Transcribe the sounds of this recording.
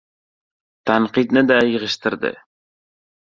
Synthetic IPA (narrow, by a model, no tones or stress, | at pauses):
t̪ɑɴqit̪nɤd̪ɑjɤ̆ʁɤ̆ʃt̪ɤ̆ɾd̪ɤ̰